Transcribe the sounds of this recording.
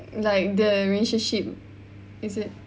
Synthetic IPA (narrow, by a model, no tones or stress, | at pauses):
laɪk̚dəɹileʃə̃nʃip̚ | isɪt̚